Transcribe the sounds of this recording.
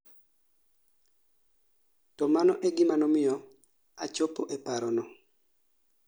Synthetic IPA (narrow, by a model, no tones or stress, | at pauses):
tɔmanɔʔɛɡɪmanɔmɪjɔ | a̰t͡ʃopoʔepaɾɔnɔ